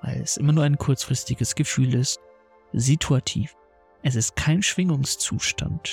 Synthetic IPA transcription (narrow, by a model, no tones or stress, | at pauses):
va̰ɪlɛsʔɪ̰mɐnuːɐaɪnkʰʊɐt͡sfʁ̥ɪstɪɡəsɡ̥əfyːlɪst̚ | zitʰuatʰḭːf | ʔɛsɪst̚kʰaɪnʃv̥ɪŋʊŋst͡suːʃtʰa̰nt